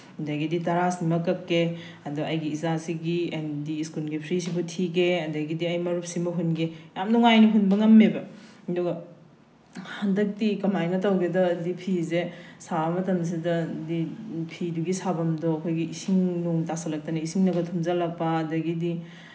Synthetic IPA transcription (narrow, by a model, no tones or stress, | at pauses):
dɐɡiditɐɾasimɐkːɐkːe | ɐdɔɐjɡiːzasiɡiendiːskulɡipʰɾis̬ibutʰiɡeɐdɐɡidiɐjmɐɾup̚simɐɦunɡejamnuŋajniɦunbɐŋɐmːebɐ | duɡɐ | handɐk̚tikɐmajnɐtɐwɡedɐːdipʰizesaɐmɐtɐms̬idɐdipʰiduɡisabɐmdɔɐkʰojɡiisiŋnuŋtasɐlɐk̚tɐnɐisiŋnɐɡɐtʰumzalɐk̚pːɐːdɐɡidi